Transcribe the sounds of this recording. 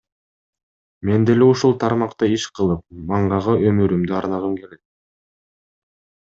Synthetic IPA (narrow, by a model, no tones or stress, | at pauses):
me̞nd̪ele̞uʃulˠt̪ʰɑɾmɑqt̪ɑiʃqʰɯlˠɯp̚mɑɴʁɑʁɯø̞myɾymd̪yɑɾnɑʁɯmke̞le̞k̪̚